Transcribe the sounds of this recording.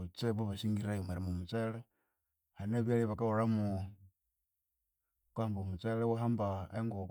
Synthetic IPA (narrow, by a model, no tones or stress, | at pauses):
t͡seβoβasiŋɡiɾajomaɾimumut͡sele | haneβialiβakaoɾamu | kwaambomut͡selewaɦambaeŋɡok